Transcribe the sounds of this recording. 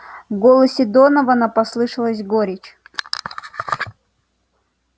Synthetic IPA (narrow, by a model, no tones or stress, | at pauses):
vɡolˠəsʲɪd̪onəvənapɐslˠɨʂɨlˠəsʲɡoɾʲɪt͡ɕ